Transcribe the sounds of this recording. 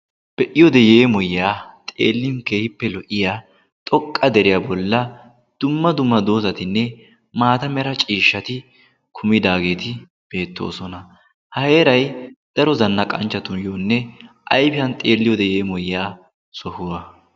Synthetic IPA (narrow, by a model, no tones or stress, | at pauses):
b̥ɛʔɪjɔd̪ɛje̞ːmɔjɪjaːt̪ʼḛːlːɪnke̞ːhɪpːɛlɔʔɪjaː | t̪ʼɔkʼːɐd̪ɛɾɪjabɔlːɐ | d̪̥ʊmːɐd̪ʊmːɐd̪o̞ːzɐt̪ɪnːɛ | maːt̪ɐmɛɾɐt͡ʃʼiːʃːɐt̪ɪ | kʰʊmɪd̪aːɡe̞ːt̪ɪ | b̥e̞ːt̪ːo̰ːsɔnɐ | hɐhe̞ːɾɐjd̪̥ɐɾɔzɐnːɐkʼɐnt͡ʃːɐt̪ʊnjoːnːɛ | ʔɐjfɪjɐnt̪ʼeːlːɪjɔd̪ɛje̞ːmɔjɪjaː | sɔhʊwɐ